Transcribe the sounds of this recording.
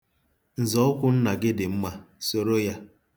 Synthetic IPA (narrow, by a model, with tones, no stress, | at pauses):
n̩˨zɔ˨˦ʊ˦kʷʊ˦n̩˦na˨ɡɪ˦dɪ˨m̩˦ma˦so˨ɾo˦ja˦